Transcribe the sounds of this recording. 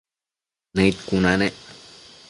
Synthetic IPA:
nẽit̪kunãnẽ

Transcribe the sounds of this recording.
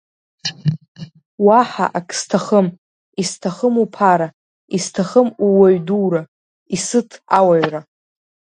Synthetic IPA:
waħa̰ʔakʰʼstʰaχəm | istʰaχəmupʰaɾa | istʰaχəmuwaɥduːɾa | isɨtʰawaɥra

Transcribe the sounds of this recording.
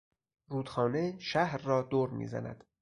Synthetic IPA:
ruːd̪̥xɒːneʃæhɾːɒːd̪oːɾmḭːzæ̰næ̰d̪̥

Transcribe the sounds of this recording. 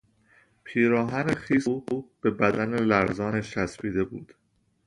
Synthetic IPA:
pʰiːɾɒːɦænexiːsːuːb̥e̞bæd̪ænelæɾzɒːneʃæsbiːd̪e̞buːd̪̥

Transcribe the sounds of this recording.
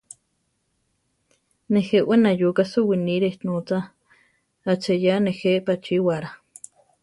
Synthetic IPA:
nexeʔwenajukasuwiniɾet̪nut͡sa | at͡ʃejanexeʔpat͡ʃiwaɾa

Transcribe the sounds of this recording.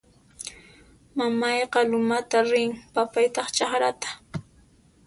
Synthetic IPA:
mamɑjqɑlʊmat̪aɾɪŋpapajt̪ɑχt͡ʃɑχɾat̪ḁ

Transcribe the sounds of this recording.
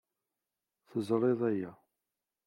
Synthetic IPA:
θəzˤɾˤeðˤæjæ

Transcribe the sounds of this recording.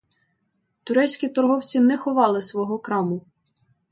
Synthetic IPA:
t̪ʊɾɛsʲkʲit̪ɔɾɦɔwt͡sʲinɛxɔʋɑlˠɪsʋɔɦɔkɾɑmʊ

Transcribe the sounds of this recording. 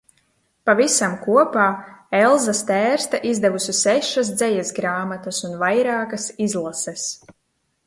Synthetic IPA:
pavisamkuɔpaːɛlˠzast̪ɛːɾst̪aʔizd̪ɛvusʲisɛʃas̬d̪zɛjasɡɾaːmat̪ɐsunvajɾaːkasizlˠasɛs

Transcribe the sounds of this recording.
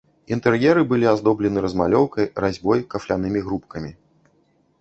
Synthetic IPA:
int̪ɛrjɛɾɨbɨlʲiazd̪ɔblʲɛnɨɾɐzmalʲɔwkɐjrazʲbɔjkɐflʲan̪ɨmʲiɣɾup̚kɐmʲi

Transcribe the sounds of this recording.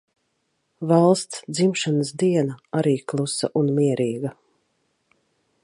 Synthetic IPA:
valˠst̪sd̪zimʃanəsd̪iɛnaaɾiːklˠusaʔunmiɛɾiːɡɐ

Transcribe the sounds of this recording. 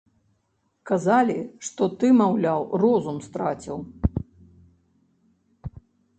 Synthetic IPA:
kazalʲiʂt̪ɔt̪ɨmawlʲawrɔzumst̪ɾat͡sʲiw

